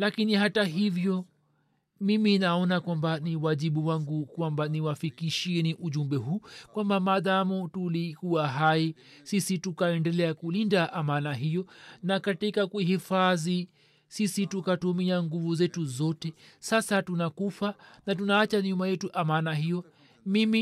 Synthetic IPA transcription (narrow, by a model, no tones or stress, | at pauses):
lakinihataɦivjɔ | miminaɔnakwambaniwaʄiɓuwaŋɡukwambaniwafikiʃiɛniʔuʄumbɛɦuːkwambamaðamutulikuaɦaji | sisitukaɛndɛlɛakulindaʔamanaɦijɔnakatikakuɦifaði | sisitukatumiaŋɡuvuzɛtuzɔtɛsasatunakufanatunaːt͡ʃaɲumajɛtuʔamanaɦijɔ | mimi